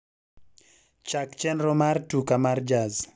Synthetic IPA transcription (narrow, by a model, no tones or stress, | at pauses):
t͡ʃakt͡ʃɛnɾɔmartukamard͡ʒaz